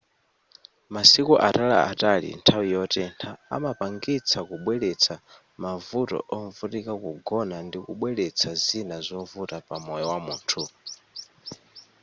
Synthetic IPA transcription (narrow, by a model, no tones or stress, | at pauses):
masikuʔatala̰atalḭntʰawijɔtɛntʰa̰ːmapaŋɡit͡sʰakuɓwɛlɛt͡sʰa | mavutɔ̰ʔɔɱvutikakuɡɔnandikṵɓwɛlɛt͡sʰazinazɔɱvutapamɔjɔwamuːntʰu